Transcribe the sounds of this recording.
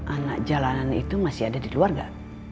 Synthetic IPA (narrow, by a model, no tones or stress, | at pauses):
ʔanak̚d͡ʒalananḭt̪umasiadadikluarɡa